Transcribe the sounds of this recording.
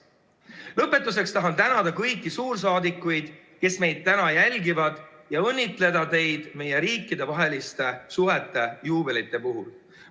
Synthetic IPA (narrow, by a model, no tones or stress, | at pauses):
lɤpːˑe̞t̪ːˑus̬e̞kst̪ɑɦɑnt̪ænɑd̪̥ɑkɤjkːˑisuːrs̬ɑːd̪ikːˑujd̪̥ | ke̞sme̞jd̪̥̚t̪ænɑjælʲɡivɑd̪jɑɤnʲːit̪ˑle̞d̪ɑt̪e̞jd̪̥me̞je̞ɾiːkːˑid̪e̞vɑɦe̞list̪e̞suɦe̞t̪ːˑe̞juːbe̞lit̪ˑːe̞puɦul